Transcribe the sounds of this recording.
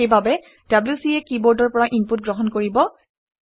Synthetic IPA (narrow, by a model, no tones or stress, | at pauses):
ejbabɛ | d̥ablusiɛkibɔɹdɔɹpɔɹaʔimput̚ɡɹɔɦɔnkoɹibɔ